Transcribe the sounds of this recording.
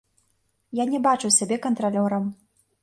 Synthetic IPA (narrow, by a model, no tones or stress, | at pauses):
janʲɛbat͡ʂuwsʲabʲɛkɐnt̪ɾalʲɔɾɐm